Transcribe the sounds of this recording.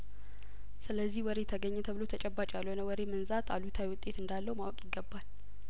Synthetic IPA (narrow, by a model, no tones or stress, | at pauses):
sɨləzːihwɔɾe̞t̪ʰəɡəɲːɛt̪ʰəβɨlo̞t̪ʰət͡ʃʼɛbːat͡ʃʼjalːhonəwɔɾemənzat̪ʰalut̪ʰawiwʊt̪ʼːe̞t̪ɨnd̪alːəwmawɔkʼjɪɡːəbːal